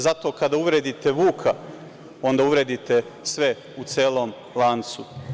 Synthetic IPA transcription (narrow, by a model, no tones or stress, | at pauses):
zat̪o̞kad̪auʋɾeːd̪it̪eʋuːkʰa | o̞nd̪auʋɾeːd̪it̪e̞ | sʋe̞ | ut̪seːlˠo̞ːm | lˠant̪su